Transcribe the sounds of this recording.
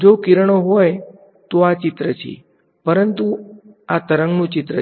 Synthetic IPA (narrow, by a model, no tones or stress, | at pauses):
d͡ʒokiɾəɳ̃oɦoj | t̪oat͡ʃɪt̪ɾət͡ʃʰḭ | pəɾənt̪u | at̪əɾəŋɡnũt͡ʃɪt̪ɾə